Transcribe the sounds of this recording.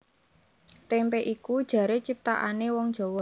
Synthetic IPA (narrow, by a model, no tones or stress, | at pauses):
t̪empeʔikud̥ʒ̥ä̤ɾet͡ʃip̚t̪a̰ʔa̰newɔŋ̥ʒ̥ɔ̤wɔ